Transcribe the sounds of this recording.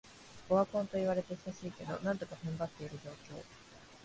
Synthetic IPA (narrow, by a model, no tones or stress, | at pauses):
oβakõ̞nt̪o̞iβ̞aɾe̞t̪e̞̥saɕiːke̞d̪o̞̰nãnt̪o̞kahɯ̃mbat̪ːe̞iɾɯ̟d͡ʑo̞ːkʲo̞̰ː